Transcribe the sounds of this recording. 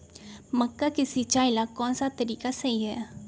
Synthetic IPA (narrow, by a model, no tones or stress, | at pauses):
mɐkːakɪsit͡ʃaːɪlakɔːnsat̪ɐɾiːkasɐɦiɦɛː